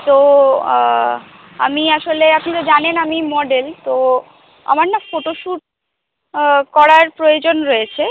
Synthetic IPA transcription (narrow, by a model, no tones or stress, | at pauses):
t̪o | a̰miaʃoleapnit̪od͡ʑanenamimɔɖelt̪o | a̰maɾnafoʈoʃuʈ̚ | kɔɾaɾpɾojod͡ʑonɾojet͡ɕʰe